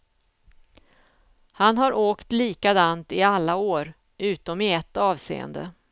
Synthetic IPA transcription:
hanɦaɾʔoːkt̪liːkad̪ant̪ɪalːaoːɾ | ʔʉ̟ːt̪ɔmɪɛt̪ːɑːvsḛːə̰nd̪ə̰

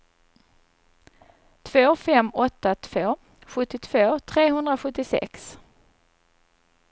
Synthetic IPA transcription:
t̪ʰv̥oːfɛmːɔt̪ːat̪ʰv̥oː | ɧɵt̪ːɪt̪ʰv̥oːt̪ʰɾeːɦɵnd̪ɾaɧɵt̪ːɪsɛ̰ks

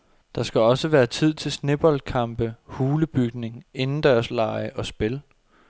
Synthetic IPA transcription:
d̥ɑ̈sɡ̥æɒ̽səʋæːɐt͡sʰið̞̰ˠt͡sʰe̝lsne̝b̥ɒlkʰɑ̈mb̥əhuːləb̥yɡ̥ne̝ŋe̝nn̩d̥æːɐslɑ̈ɪəʔɒ̽sb̥e̝l

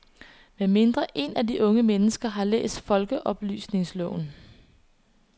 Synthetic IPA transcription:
meme̝nd̥ʁɐʔe̝nædiʔɔ̽ŋəmenəsɡ̥ɐɦɑ̈lḛːsd̥fɒ̽lɡ̥əʔɒ̽b̥ly̰ːsne̝ŋslɔ̰ːn

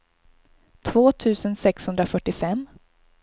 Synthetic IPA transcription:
t̪ʰvoːt̪ʰʉ̟ːsənsɛkshɵnd̪ɾafœʈːɪfɛmː

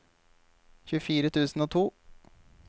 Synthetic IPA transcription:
çʉfiːɾət̪ʰʉːsn̩oːt̪ʰuː

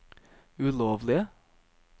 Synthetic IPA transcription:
ʉloːʋlɪə

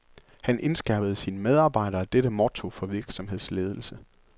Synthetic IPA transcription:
hænʔe̝nsɡ̥ɑɐb̥əð̞̩ˠsiːnəmeð̞ˠɑ̈ːb̥ɑ̈ɪ̰ɾ̥ɐd̥eɾəmɒt͡sʰo̝fɒ̽ʋiɐɡ̥sɒ̽mɦe̝ð̰ˠsle̝ːð̞ˠl̩sə

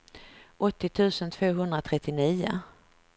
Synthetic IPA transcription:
ʔɔt̪ːɪt̪ʰʉ̟ːsənt̪ʰv̥oːɦɵnd̪ɾat̪ʰɾɛt̪ːɪniːʊ̰

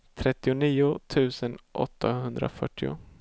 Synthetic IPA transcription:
t̪ʰɾɛt̪ːɪʊniːʊt̪ʰʉ̟ːsənʔɔ̰t̪ʰːahɵnd̪ɾa̰fœʈːɪʊ̰

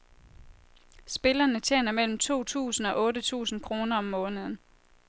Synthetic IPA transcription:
sb̥e̝lɐnət͡ɕʰjḛːnɐmel̰m̩t͡sʰo̝̰ːt͡sʰṵːsn̩ɒ̽ʔɔ̽ːɾət͡sʰṵːsn̩kʰʁo̝ːnɐɒ̽mːɔ̽ːnəð̞̩ˠn̩

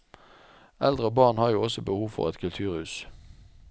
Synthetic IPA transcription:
ʔɛld̪ʁəbɑːʁnhɑːʁjuːɔsɔbəhuːʋfɔ̰ʁɛt̪kʰʉlt̪ʰʉːʁhʉːs

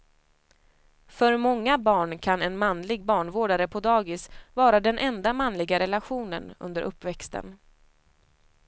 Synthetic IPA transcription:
fœɾmɔŋːabɑːɳkʰanɛnmanlɪɡ̚bɑːɳvoːɖaɾəpʰɔd̪ɑːɡɪsvɑːɾad̪ɛnʔɛnd̪amanlɪɡaɾɛlaɧuːnənɵ̰nd̪əɾʔɵpːvɛkst̪ə̰n

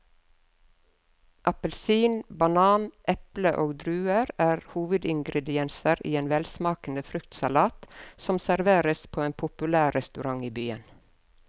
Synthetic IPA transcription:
ʔɑpəlsiːnbɑnɑːnʔɛpləʔoːɡd̪ɾʉːəɾæːɾhuːʋəd̪ɪŋɡɾɛd̪ɪɛnsəɾʔḭːeːnʋɛlsmɑːkn̩əfɾʉkt̪sɑlɑːt̪sɔmsæɾʋeːɾəspʰoːeːnpʰʊpʉlæːɛst̪ʉɾɑŋiːbyːə̰n

